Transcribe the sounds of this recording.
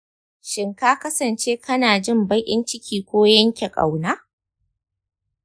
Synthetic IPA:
ʃɪ˨ŋkaː˦kɐ˦sɐ˨nt͡ʃeː˦kʰɐ˦naː˨d͡ʒɪ˦˨mbɐ˦jʔʲʼɪ˦nt͡ʃɪ˦kʲʰiː˨kʷoː˦jɐ˦ŋkʲe˨kʼa̰˨wnaː˦

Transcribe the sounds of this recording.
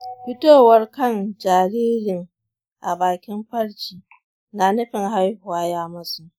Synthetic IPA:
ɸɪ˦toː˦˨wɐ˦rkɐ˦˨nd͡ʒaː˨ɾiː˦ɾɪ˨ŋ | ʔa˨baː˨kʲɪ˦mɸɐ˦ɽt͡ʃiː˨ | na˨nɐ˦ɸɪ˨ŋha˦jhʊ˨waː˦jaː˦mɐ˦su˨ʔ

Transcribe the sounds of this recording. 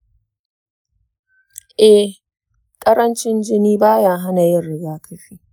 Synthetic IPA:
ʔɛ˨ | kʼɐ˦ɾɐ˦nt͡ʃɪ˦nd͡ʒɪ˦niː˦baː˦jaː˦ɦa˦na˨jɪ˦˨nɽɪ˦ɡaː˦kʰɐ˦ɸiː˦ʔ

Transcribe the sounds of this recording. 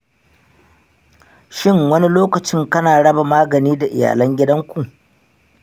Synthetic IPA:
ʃɪ˦˨ŋwɐ˦ni˦loː˦kɐ˨t͡ʃɪ˦ŋkɐ˦naː˨ɽɐ˦ba˨maː˦ɡɐ˨niː˦da˨ʔɪ̰˨ja̰ː˨lɐ˦ŋɡʲɪ˦dɐ˦ŋkʷu˨ʔ

